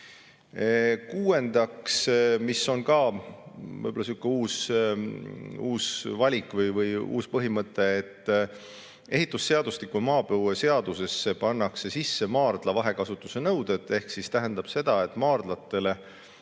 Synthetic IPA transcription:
kuːe̞nd̪̥ɑksmisːo̞nkɑ | vɤ̰jbolɑsiukːˑeuːs | uːsvɑlʲikːˑvɤjvɤjṵːspɤɦimɤt̪ˑːe̞ːt̪ːˑ | ʔe̞ɦit̪ːˑusːe̞ɑd̪̥ust̪ikːˑumɑːpewese̞ɑd̪̥use̞sːe̞pɑnːɑkse̞sisːe̞mɑːrd̪̥lɑvɑɦe̞kɑsut̪ːˑu̥se̞nɤwd̪̥e̞t̪ːˑe̞hksist̪æɦænd̪̥ɑb̥se̞d̪ɑe̞t̪ːˑmɑːrd̪̥lɑt̪ːˑe̞le̞

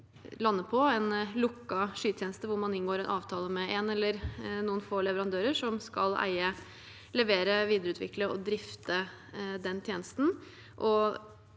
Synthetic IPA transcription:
lɑnːəpʰɔɛnlʊkːɑʂyːt̪ʰjɛːnəst̪əʋʊɾmɑnɪnɡoːɾɛnʔɑ̰ːʋt̪ʰɑːləmɛɛnɛlːəɾnuːənfoːlɛʋəɾɑnd̪øːɾəʂɔmskɑ̰læ̰ɪə | lɛʋeːɾəʋiːd̪əɾəʉːt̪ʰʋɪ̰kləɔd̪ɾɪft̪ə | d̪ɛnt̪ʰjeːnəst̪n̩ | ʔɔ

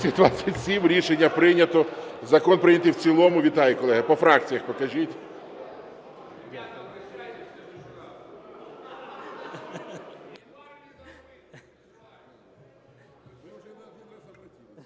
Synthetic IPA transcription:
sʲit̪ʊʋat͡sʲːɐtʲsʲimɾʲiʃenʲːɐpɾɪnʲɐt̪ɔzɐkɔnpɾɪnʲɐt̪ɪwt͡sʲilˠɔmʊʋʲit̪ɑjikɔlˠɛɦɐpɔfɾɑk̚t͡sʲijɐxpɔkɐʒʲitʲ

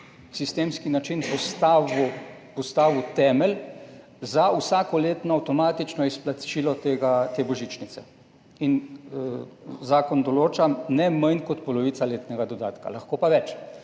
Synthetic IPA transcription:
sist̪eːmskinat͡ʃinpɔst̪aʋupɔst̪aːʋut̪ɛːmɛl | zausaːkɔleːt̪nɔawt̪ɔmaːt̪it͡ʃnɔisplat͡ʃiːlɔt̪eːɡat̪eːbɔʒit͡ʃnit̪sɛ | in | zaːkɔnd̪ɔloːt͡ʃanɛmənkɔt̪pɔlɔʋiːt̪saleːt̪nɛɡad̪ɔd̪aːt̪ka̰laxkoːpaʋɛt͡ʃ

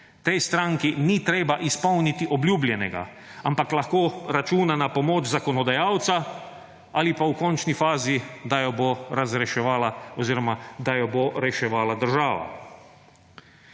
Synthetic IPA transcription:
t̪ɛjst̪ɾaŋkinit̪ɾeːbaʔispɔwnit̪iʔɔbljuːblʲjɛnɛɡa̰ | ampaklaxkoːɾat͡ʃuːnanapɔmɔːt͡ʃzakɔnɔd̪ajaːwt̪sa | alipaukɔnt͡ʃnifaːzid̪ajɔboɾazɾɛʃɛʋaːlaɔziːɾɔmad̪ajɔboɾɛʃɛʋaːlad̪əɾʒaːʋa̰

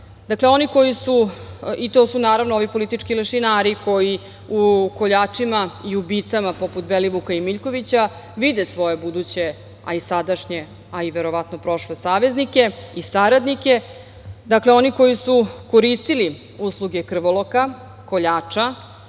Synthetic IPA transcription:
d̪akleo̞niko̞jisuit̪o̞ːsunaːɾaʋnoo̞ʋipo̞lit̪it͡ʃkileʃinaːɾiko̞ji | uko̞ʎaːt͡ʂimaiubit̪samapo̞put̪beliʋukaimiʎko̞ʋit͡ɕa | ʋid̪e̞sʋo̞je̞bud̪ut͡ɕe̞ | a̰isad̪aʃɲe̞ | aiʋe̞ɾo̞ʋat̪no̞pɾo̞ʃlesaːʋe̞znike̞isaɾad̪nike̞ | d̪akleo̞niko̞jisuko̞ɾist̪ili | uslˠuɡekr̩ʋolˠo̞ka | koʎaːt͡ʂa

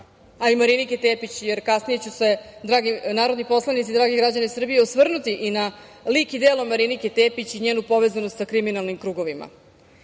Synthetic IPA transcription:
aimaɾiniket̪eːpit͡ɕjeɾkasnije̞t͡ɕuse̞d̪ɾaːɡinaːɾo̞d̪nipo̞slˠanit̪sid̪ɾaːɡeɡɾad͡ʑanesr̩bijeosʋr̩nut̪iʔina | likid̪elo̞maɾiniket̪eːpit͡ɕiɲeːnupo̞ʋe̞zanost̪sakɾiminalˠnimkɾuːɡo̞ʋima̰

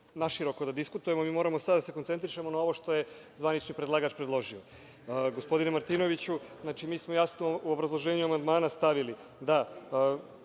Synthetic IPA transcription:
naʃiɾo̞ko̞d̪ad̪iskut̪uje̞momiːmo̞ːɾamosad̪d̪ase̞kont̪set̪ɾiʃe̞mo̞nao̞ʋo̞ʃt̪o̞je̞ | zʋanit͡ʃnipɾed̪laːɡat͡ʃpɾed̪lˠo̞ʒio̞ | ɡospo̞d̪inemaɾt̪iːno̞ʋit͡ɕuznaːt͡ʃimiːsmo̞jasnouobɾazlˠo̞ʒe̞ːɲuamand̪maːnast̪aʋili | d̪a

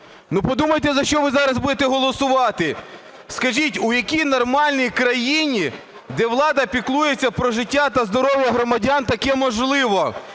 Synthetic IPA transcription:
nupɔd̪umɐjt̪ɛzɐʃt͡ʃɔʋɪzɑɾɐzbud̪et̪ɛɦɔlˠɔsʊʋɑt̪ɪ | skɐʒʲitʲujɐkʲijnɔrmɑlʲnʲijkɾɐjinʲi | d̪ɛʋlˠɑd̪ɐpʲiklˠujet͡sʲːɐpɾɔʒɪtʲːat̪ɐzd̪ɔɾɔʋjɐɦɾɔmɐdʲant̪ɐkɛmɔʒlˠɪʋɔ

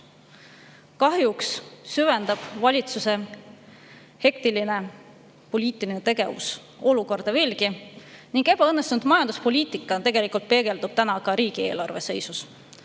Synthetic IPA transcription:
kɑɦjukssyve̞nd̪̥ɑb̥vɑlʲit̪suse̞ | he̞k̚t̪iline̞ | po̞lʲiːt̪ˑilinet̪e̞ɡe̞̰vṵs | o̞luko̞rd̪̥ɑve̞ːlɡiniŋɡ̥e̞bɑɤnːest̪unud̪mɑjɑnd̪̥uspo̞lʲiːt̪ˑikːˑɑt̪e̞ɡ̥e̞likˑult̪̚pe̞ɡe̞ld̪ub̥̚t̪ænɑkɑɾiːɡ̥ie̞ːlɑrve̞se̞jsus

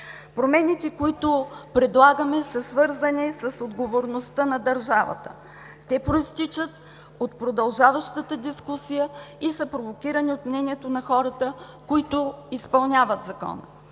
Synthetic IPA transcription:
pɾomɛnit̪ɛkoit̪opɾɛd̪lˠaɡəmɛsɐsvɤɾzənɛsɐsod̪ɡovoɾnost̪ənɐd̪ɐɾʒavə̰t̪ə̰ | t̪ɛpɾoist̪it͡ʃət̪̚ | ot̪pɾod̪ɐlˠʒavəʃt̪ət̪əd̪iskusijəisəpɾovokʲiɾəniot̪mnɛniɛt̪onɐxɔɾət̪ə | koit̪ʊispɐlˠnʲavət̪zɐkɔ̰nə̰

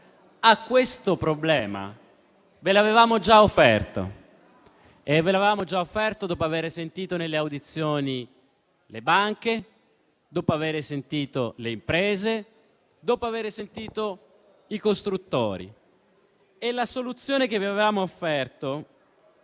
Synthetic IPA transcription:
akːwest̪opɾoblɛːma̰ | velavevaːmod͡ʒaofːɛ̰rt̪o̰ | evːelavevaːmod͡ʒaofːɛrt̪od̪oːpoaveːɾesent̪iːt̪onelːeawd̪it̪sːjoːni | lebaŋke | d̪oːpoaveːɾesent̪iːt̪oleimpɾɛːze | d̪oːpoaveːɾesent̪iːt̪o | ikost̪ɾut̪ːo̰ːɾḭ | elasolut̪sːjoːnek̟eviavevaːmoːfːɛrt̪o

